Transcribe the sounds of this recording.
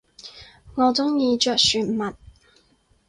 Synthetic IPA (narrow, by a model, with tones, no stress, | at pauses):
ŋɔː˨˧t͡sʊ˥ŋjiː˨˧t͡ʃœː˨˩t̚syː˨˩nmɐ˨t̚